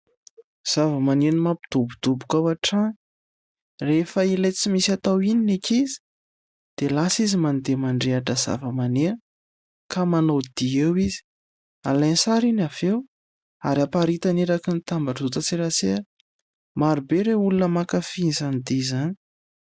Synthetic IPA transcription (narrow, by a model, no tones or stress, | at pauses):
z̥avəmanenimapi̥d̪̥ubud̪ubukawaʈ͡ʂan | refəilejt͡simisat̪awininekʰizi̥ | d̪̥elasizimand̪emaɳɖ͡ʐeaʈ͡ʂəza̰vəmane | kamanod̪iewizi̥ | alajnsaɾinavew | aɾiapaɾit̪aneɾakənit̪ambaʈ͡ʂut̪at͡siɾaseɾ | maɾubeɾeulunəmakafinzanid̪izani̥